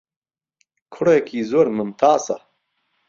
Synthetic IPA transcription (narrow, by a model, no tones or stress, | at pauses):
kʰuɽekiːzoɾmɐmt̪ʰaːsɐ̰